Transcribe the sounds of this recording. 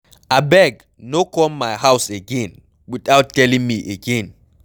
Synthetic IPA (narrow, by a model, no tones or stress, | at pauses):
abɛɡ | nokɔlmajhawseɡɛ̃n | wiθawttːɛlĩŋmiʔeɡɛ̃n